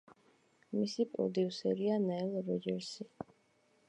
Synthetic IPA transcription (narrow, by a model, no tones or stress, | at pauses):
misipʼṵd̪iusɛɾianɛɛlˠɾɔd͡ʒɛɾsi